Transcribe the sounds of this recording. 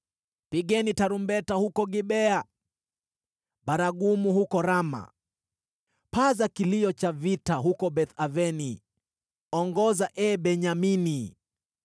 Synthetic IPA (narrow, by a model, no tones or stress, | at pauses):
piɠɛnitaɾumbɛtahukɔɡiɓɛa | ɓaɾaɡumuhukɔɾama̰ | pazakiliɔt͡ʃavitaɦukɔɓɛθavɛni | ɔŋɡɔzaʔɛɓɛɲamini